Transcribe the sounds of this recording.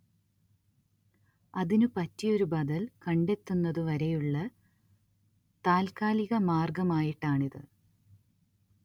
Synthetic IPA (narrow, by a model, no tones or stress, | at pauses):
ɐðinɨpɐtːijo̞ɾubɐðɐlkɐɳɖe̞t̪ːunːɐðɨʋɐɾejuɭːɐ | t̪aːlkaːliɣɐmaːrɡɐmaːjiʈːaːɳiðɨ̰